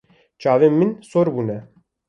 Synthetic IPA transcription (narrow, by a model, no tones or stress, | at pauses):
t͡ʃɑːveːmɨnsoɾbuːnɛ